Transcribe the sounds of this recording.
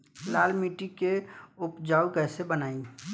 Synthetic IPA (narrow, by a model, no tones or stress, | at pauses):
laːlmiːʈikeʊpd͡ʒaːukɛːsebənaːi